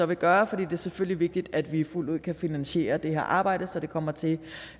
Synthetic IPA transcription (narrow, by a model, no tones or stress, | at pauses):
ɒ̽ʋe̝ɡ̥ɶːɐfɒ̽d̥ḭːd̥e̝æɐsefølliʋe̝ɡ̥̚d̥id̥æd̥ʋiful̰duð̰ˠkʰæfinænɕe̝̰ːɐd̥e̝heɐ̰ʔɑ̈ːb̥ɑ̈ɪ̰d̥əsɒ̽d̥e̝kʰɒ̽m̰ɐt͡sʰe̝